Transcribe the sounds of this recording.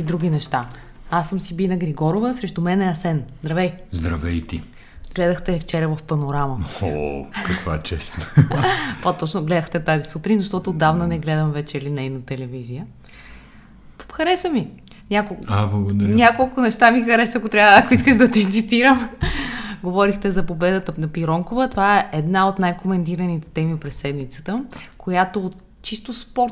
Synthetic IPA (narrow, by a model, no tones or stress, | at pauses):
id̪ɾuɡ̟ʲinɛʃt̪a | asːəmsibilnɐɡɾiɡɔɾovəsɾɛʃt̪omɛnɛɐsɛnzd̪ɾɐvɛjzd̪ɾɐvɛjt̪i | ɡ̥lɛd̪əxt̪ɛft͡ʃɛɾəvəfpɐnoɾaməo̰kɐkva̰t͡ʃɛ̰st̪n | pɐt̪ɔt͡ʃnʊɡlɛd̪əxt̪ɛt̪azisut̪ɾinzɐʃt̪ɔt̪ʊːd̪ːavnənɛɡlɛd̪əmvɛt͡ʃɛlinɛjnɐt̪ɛlɛvizijə | ppxɐɾɛsəmi | nʲakolˠablˠɐɡod̪nʲakolˠkʊnɛʃt̪amixɐɾɛsəɐkot̪ɾʲjaəakoiskəʒd̪ɐt̪ɛt̪sit̪iɾəm | ɡovɔɾixt̪ɛzɐpobɛd̪ət̪ənɐpiɾɔŋkovət̪ovaɛʔɛd̪naot̪najkomɛnt̪iɾɐnit̪ɛ̥t̪ɛmipɾɛsːɛd̪mit̪sə̥t̪əkojat̪o | t͡ʃist̪ospɔɾt̪